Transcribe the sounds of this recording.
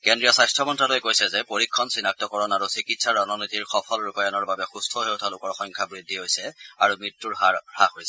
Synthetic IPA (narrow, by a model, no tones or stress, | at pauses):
kendɹijɔsajstʰɹɔmɔntɹalojkojsɛzɛpoɹikʰːɔnsinak̚tɔkɔɹɔnaɹusikitsaɹɔnɔnɔjtiɹxɔpʰɔlɹukɔjanɔɹbabɛxustʰɔɦewtʰalʊkɔɹxɔŋkʰabɹidʱːiɦojsɛaɹumɹitːuɹhaxojsɛ̥